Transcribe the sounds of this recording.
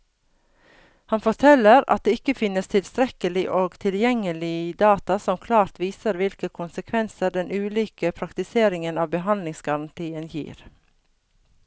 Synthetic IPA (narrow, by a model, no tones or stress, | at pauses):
hɑnfɔt̪ʰɛləɾɑ̰t̪̚d̪eːɪkəfɪnəst̪ʰɪlst̪ɾɛkəlɪʔoːɡt̪ʰɪljɛŋəlɪd̪ɑːt̪ɑsɔmkʰlɑːɾt̪ʋiːsəɾʋɪlkəkʰʊnsəkʰʋɛnsəɖɛnʔʉːliːkəpʰɾɑkt̪ɪseːɾɪŋənɑːʋbəɦɑnd̪lɪŋsɡɑɾɑnt̪ʰiːənjḭːɾ